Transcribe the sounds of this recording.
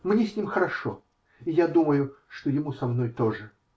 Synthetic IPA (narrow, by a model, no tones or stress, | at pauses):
mnʲesʲnʲimxəɾɐʂo | ɪjad̪uməjʊ | ʂt̪ojɪmusɐmno̞jt̪o̞ʐɨ